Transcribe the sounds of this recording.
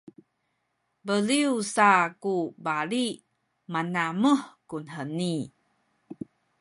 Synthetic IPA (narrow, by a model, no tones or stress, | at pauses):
bəliusakubaɾi | manaməhkunɦəni